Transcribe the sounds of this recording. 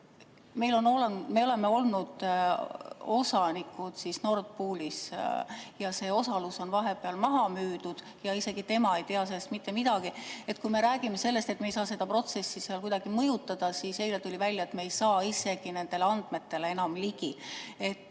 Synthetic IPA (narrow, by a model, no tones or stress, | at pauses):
me̞jlo̞noleme̞o̞le̞me̞o̞lnud̪̥ | o̞sɑnikːˑud̪̥sisno̞ːrt̪̚puːlʲis | jɑse̞ːo̞sɑluso̞nvɑɦe̞peɑlmɑɦɑmyːd̪̥ud̪̥ | jɑise̞ɡ̥it̪e̞mɑe̞jt̪eɑse̞lːst̪mit̪ːe̞mid̪̥ɑɡ̥ie̞t̪̚kujme̞ɾæːɡ̥ime̞se̞lːe̞st̪e̞t̪ːmejsɑːse̞d̪ɑpro̞t̪se̞sːiseɑlkujd̪̥ɑɡ̥imɤjut̪ːˑɑd̪̥ɑsise̞jlet̪ulʲivælʲːjɑet̪me̞ejsɑːise̞ɡ̥ine̞nd̪e̞leɑnd̪̥me̞t̪ːe̞leenɑmliɡ̥ie̞t̪ː